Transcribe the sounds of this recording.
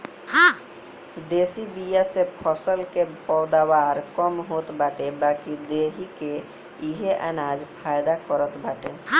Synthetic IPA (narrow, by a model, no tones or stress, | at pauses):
hã | d̪eːsibijasepʰəsəlkepɔːd̪awaːɾkɔmɦot̪baːʈebaːkid̪eːɦike | iɦeʔə̰naːd͡ʒpʰaːjd̪akəɾət̪baːʈe